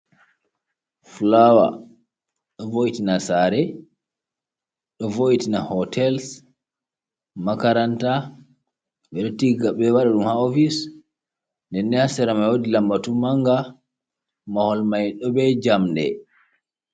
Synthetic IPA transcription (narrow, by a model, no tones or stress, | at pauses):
flawa̰ | ɗɔvoitinasaɾɛ | ɗɔvoitinahɔtʰɛls | makaɾanta | ɓɛɗɔtiɡaɓɛwaɗaɗumhaofis | ndɛnːɛhasɛɾamajwodilambatumaŋɡa | mahɔlmajɗɔbɛd͡ʒamdɛ̰